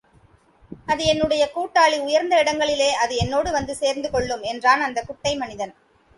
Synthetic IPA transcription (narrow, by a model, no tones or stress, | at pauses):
ɐðɯɛnːɯɽɐjɐkuːʈːaːɭiʊjɐɾnd̪ɐɪɽɐŋɡɐɭɪleːʔɐðɯɛnːoːɽɯʋɐnd̪ɯseːɾnd̪ɯkɔɭːɯmɛndraːnɐnd̪ɐkʊʈːɐɪmɐnɪðɐn